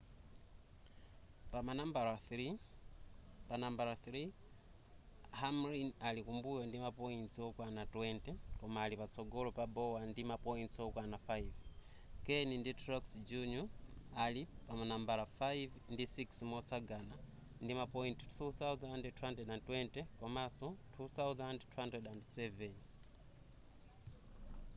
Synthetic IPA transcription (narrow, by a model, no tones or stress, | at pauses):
pamanambaɾaθɾi | panambaɾaθɾi | hamɾinalikumbujɔndimapɔinsiɔkwanatwɛntɛkɔmaːlipat͡sʰɔɡɔlɔpabɔwandimapɔinsiwɔkwanafaiv | kɛninditʰrɔksd͡ʒuɲualipamunambalafajivndisiksmɔsaɡana | ndimapɔinti̥tuθauθaandɛtʰuhandɛɗantwɛntɛkɔmasɔtʰuθawðandtʰuhandɾɛdandsɛvɛn